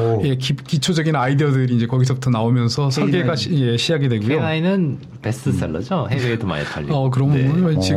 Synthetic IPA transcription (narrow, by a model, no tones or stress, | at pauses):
je̞kikit͡ɕʰod͡ʑʌɡinaideʌdɯɾiːnd͡ʑe̞kʌɡisʰʌbutʰʌnaomjʌnsʰʌsʰʌɭɡeɡaɕjeɕʰid͡ʑaɡidwe̞ɡujonainɯn | pes͈ɯs͈eɭːʌ̰d͡ʑoheedoma̰ḛtʰa̰ʎːiʌk̬ɯɾʌmet͡ɕi